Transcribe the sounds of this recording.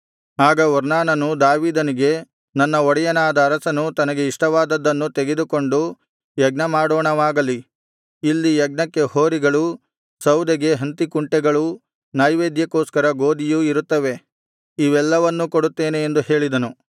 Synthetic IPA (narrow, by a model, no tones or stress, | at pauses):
aːɡɐuɾnaːnɐnud̪aːʋiːd̪ɐniɡe̞ | nɐnːɐɔɽɛjɐnaːd̪ɐːɾɐsɐnut̪ɐnɐɡe̞iʂʈɐʋaːd̪ɐd̪ːɐnːut̪eɡe̞d̪uko̞ɳɖu | jɐɡ̚nɐmaːɽoːɳɐʋaːɡɐli | ilːijɛɡ̚nɐkːehoːɾiɡɐɭu | sɐwd̪ɛɡe̞ɦɐnt̪ikuɳʈɛɡɐɭu | nɐːjʋeːd̪jɐkoːskɐɾɐɡoːd̪ijuiɾut̪ːɐʋe̞ | iʋɛlːɐʋɐnːukoɽut̪ːe̞ːne̞ːnd̪uhe̞ːɭid̪ɐnu